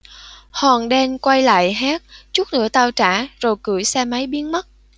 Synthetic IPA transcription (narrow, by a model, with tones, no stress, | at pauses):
hɔ˨˩nɗɛ˧nkwa˧jla̰ː˧˨jɦaː˦˥t̚t͡ɕu˦˥t̚nɨ̰˧˥ət̪aː˧wt͡ɕaː˧˩z̥o˨˩jkɨ˧˩əjsɛ˧ma˨˦jɓi˨˦ənmə˦˥t̚